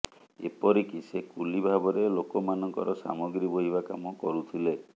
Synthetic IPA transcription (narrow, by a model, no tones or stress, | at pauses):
ḛpɔɾikisekulibʱabɔɾelokɔmanɔŋkɔ̰ɾɔsa̰mɔɡɾiboɦibakamɔkɔɾut̪ʰile